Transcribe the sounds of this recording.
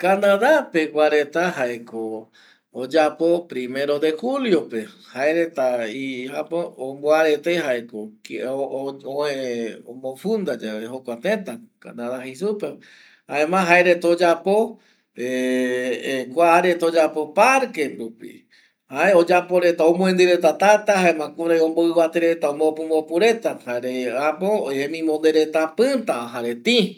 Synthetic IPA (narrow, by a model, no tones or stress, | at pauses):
kanãðapekʷaɾe̞t̪aɦaekoː | d͡ʒapo̞pɾime̞ɾo̞d̪e̞huljo̞pe̞ | haeɾet̪aihapoomboaɾet̪e̞haekok | oẽomõfund̪ad͡ʒaβehokʷat̪ẽt̪aka̰naðahisupe | haẽmãɦaeɾet̪od͡ʒapo | e | kʷaːɾet̪od͡ʒapo̞paɾkeɾupḭ | haeod͡ʒapoɾe̞t̪aõmõẽnd̪ɨɾet̪at̪at̪ahaemãkuɾajõmboɨβat̪eɾe̞t̪aõmopɨ̃mbopuɾe̞t̪ahaeɾeapoemĩmond̪eɾe̞t̪apɨt̪aaɦaɾet̪ĩ